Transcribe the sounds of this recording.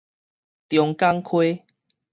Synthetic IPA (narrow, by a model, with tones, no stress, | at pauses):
t̪jɔ˨˧ŋka˦ŋkʰwe˦